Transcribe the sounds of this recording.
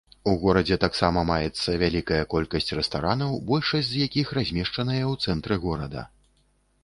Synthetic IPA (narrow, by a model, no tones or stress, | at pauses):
uɣɔɾɐd͡zʲɛt̪aksamɐmajɛt̪sːɐvʲalʲikɐjɐkɔlʲkɐsʲt͡sʲrɛst̪aɾanɐwbɔlʲʂɐzʲzjakʲixrazʲmʲɛʂt͡ʂɐnɐjɐwt̪sɛnt̪ɾɨɣɔɾɐd̪ɐ̰